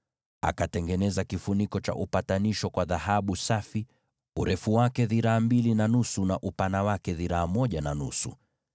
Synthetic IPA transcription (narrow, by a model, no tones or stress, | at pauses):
a̰katɛŋɡɛnɛzakifunikɔt͡ʃa̰ʔupataniʃɔkwaðahaɓusafi | uɾɛfuwakɛðiɾaːmbilinanusunaʔupanawakɛðiɾaːmɔʄananusṵ